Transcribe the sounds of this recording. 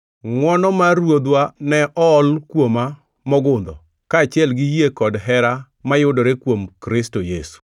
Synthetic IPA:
ŋwɔnɔmaɾwod̪wanɛʔɔːlkwoma | mɔɡʊnd̪ɔ̰ | kaːt͡ʃɪɛlɡɪjekɔdɦɛɾa | majʊdɔɾekwomkɾɪstojesu̥

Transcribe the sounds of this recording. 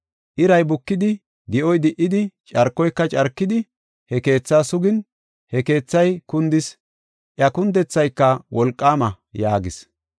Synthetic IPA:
ʔɪɾɐjbʊkːɪd̪ɪ | d̪ɪʔɔjd̪ɪʔɪd̪ɪt͡ʃʼɐɾkːɔjkːɐt͡ʃʼɐɾkːɪd̪ɪ | hɛke̞ːt͡sːaːsʊɡɪn | hɛke̞ːt͡sːɐjkʊnd̪ɪs | ʔjɐkʊnd̪ɛt͡sːɐjkːɐwɔlkʼːaːmɐ | jaːɡɪs

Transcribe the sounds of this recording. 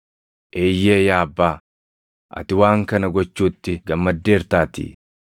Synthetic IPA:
ʔe̞ːjːe̞ːjaːbːaː | ʔɐ̰t̪ɪwaːŋkɐnɐɡɔt͡ʃːuːt̪ːɪɡɐmːɐd̪ːe̞ːɾt̪aːt̪ɪ̰

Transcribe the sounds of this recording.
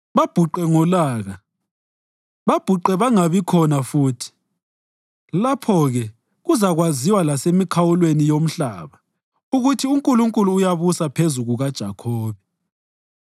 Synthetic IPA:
βab̥ʱuǃɛŋɔlaːɣa | βab̥ʱuǃɛβaŋaβikʰɔnafuːtʰi̥ | lapʰɔɣɛ | ɣuzaɣwaziwalasemikʰawulwenijom̩ɬa̰ːβa | uɣutʰiuŋkʼuluŋkʼuluːjaβusapʰezuɣuɣad̥ʒ̥ʱa̰kʰɔːβɛ

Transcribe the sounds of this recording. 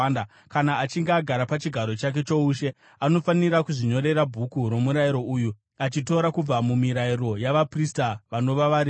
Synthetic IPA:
na | kanaːt͡ʃiŋɡeaɡʱaɾapat͡ʃiɡʱaɾo̞t͡ʃak̬e̞t͡ʃo̞uːʃe̞ | ano̞faniɾakuʐiɲo̞ɾe̞ɾabʱukuɾo̞muɾaiɾo̞ʔuju | at͡ʃito̞ɾakub͡vamumiɾaiɾo̞jaʋapristaʋano̞ʋaʋaɾi

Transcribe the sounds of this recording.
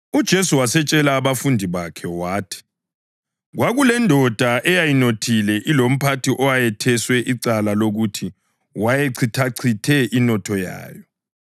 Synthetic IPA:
ud̥ʒ̥ʱesuwasɛt͡ʃʼɛlaːβafundʱiβakʰɛwaːtʰi̥ | ɣwaɣulɛndʱɔd̥ʱaʔɛjajinotʰilɛʔilom̩pʰatʰiʔɔwajɛtʰɛswɛʔiǀalaloɣutʰi | wajeǀʰitʰaǀʰitʰɛʔinɔtʰɔja̰ːjɔ

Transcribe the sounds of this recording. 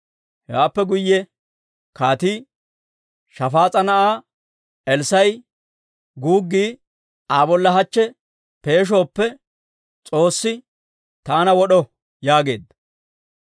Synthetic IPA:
hɛwaːpːɛɡʊjːɛ | kaːt̪iː | ʃɐfaːt͡sʼɐnɐʔaː | ɛlsɐj | ɡuːɡːiː | aːbɔlːɐɦɐt͡ʃːɛ | pe̞ːʃ̬o̞ːpːɛ | t͡sʼo̞ːsːɪ | t̪aːnɐwɔɗɔ | jaːɡe̞̰ːd̪ːɐ

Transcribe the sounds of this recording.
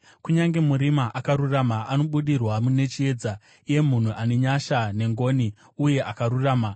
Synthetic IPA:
kuɲaŋɡe̞muɾimaʔakaɾuramaano̞ɓuɗirwamune̞t͡ʃie̞ːd͡za | ije̞mun̤uʔane̞ɲaʃane̞ŋɡo̞ːni | uje̞ʔakaɾuraːma

